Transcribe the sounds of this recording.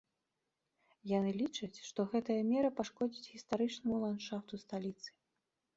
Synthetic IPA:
janɨlʲit͡ʂɐt͡sʲʂt̪ɔɣɛt̪ɐjɐmʲɛɾɐpaʂkɔd͡zʲit͡sʲɣʲist̪aɾɨt͡ʂnɐmulˠant̪ʂaft̪ust̪alʲit̪sɨ̥

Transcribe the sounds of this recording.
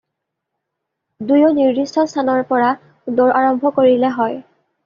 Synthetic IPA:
dujoniɹdistɔstʰanɔɹpɔɹa | doɹʔaɹɔmbʱɔkoɹilɛɦɔj

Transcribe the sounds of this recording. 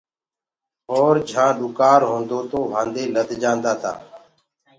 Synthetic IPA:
ɦoːɾd͡ʒʱãːɗʊkaːɾɦõːnd̪oːt̪oːʋʱãːnd̪eːləd̪ʱd͡ʒãːnd̪aːt̪ʰa̰ː

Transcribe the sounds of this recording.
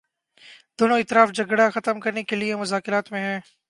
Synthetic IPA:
d̪oːnõːɪt̪ɪɾaːfd͡ʒɐɡɽaxɐt̪əmkɐɾnekeliemʊzaːkɪɾaːt̪mẽɦɛ̃ː

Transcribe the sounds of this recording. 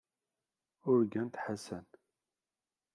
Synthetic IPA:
ʊɾɡænt̪ħasæn

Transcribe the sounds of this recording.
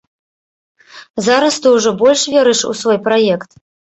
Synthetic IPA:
zaɾɐst̪ɨwʐɔbɔlʲʂvʲeɾɨʂṵsvɔjpɾajɛkt̪

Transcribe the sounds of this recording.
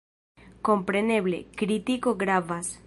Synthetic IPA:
kompɾeneβlḛkɾit̪ikoɡɾaβas

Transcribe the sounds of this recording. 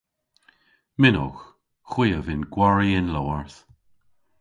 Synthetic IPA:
mɪno̰x | xw̥iːəvɪnɡwaɹiɪnlɔwaɹθ

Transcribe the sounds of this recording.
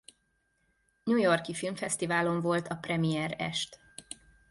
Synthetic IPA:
ɲujo̞rkifilmfɛst̪ivaːlo̞ɱvo̞lt̪ɒprɛmijɛɾɛ̰ʃt̪

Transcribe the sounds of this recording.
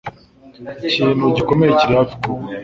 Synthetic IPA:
ciːnhuɟiko̞mejeciɾafi̥ku

